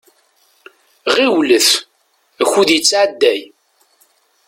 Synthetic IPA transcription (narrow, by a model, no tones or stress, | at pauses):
ʁiwləθ | əçːuðjət͡sːʕad̪ːæj